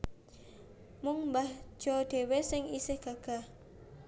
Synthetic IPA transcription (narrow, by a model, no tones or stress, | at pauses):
mʊŋmbahʒ̥ɔd̪̥e̤wesɪŋisɪhɡ̥aɡ̥a̤h